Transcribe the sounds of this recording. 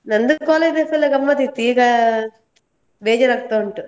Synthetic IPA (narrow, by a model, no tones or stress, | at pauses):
nɐnd̪ukɔːled̪epelːɐɡɐmːɐt̪it̪iːɡa | beːd͡ʒɐɾɐkt̪ouɳʈu